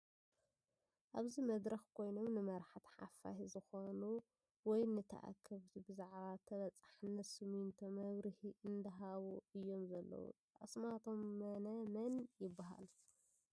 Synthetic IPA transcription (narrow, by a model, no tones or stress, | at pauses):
ʔaβzimɐd̪ɾɐxkʰo̞jno̞mnɨmɐɾħt̪ʰħa̰fa̰hizɨxonu | wɔjnɨt̪ʰɐ̰ʔa̰kʰːɐβt̪ʰibɨzaʕβat̪ʰɐβɐt͡sʼḁħɨnːɐt̪sɨmint̪ʰomɐβɾɨhiʔɨnd̪ɐɦaβuɨjːo̞mzɐlːɐ̰wṵ | ʔɐsmat̪ʰo̞mːɐnɐmɐnjɪbːaɦa̰l